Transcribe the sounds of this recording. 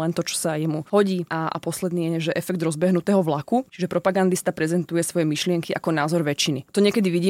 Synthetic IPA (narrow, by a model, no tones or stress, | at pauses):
ɛnt̪ɔt͡ʃɔ̥sajɛmuɦɔɟiːʔaa̰pɔslɛd̪niːjɛɛʒɛʔɛfɛɡ̚d̪ɾɔzbɛɦnut̪ɛːɦɔʋlakut͡ʃiʒɛpɾɔpaɡand̪ist̪apɾɛzɛnt̪ujɛsʋɔjɛmiʃlɪɛŋkiʔa̰kɔnaːzɔɾʋɛt͡ʃinit̪ɔɲɪɛkɛd̪iʋiɟiː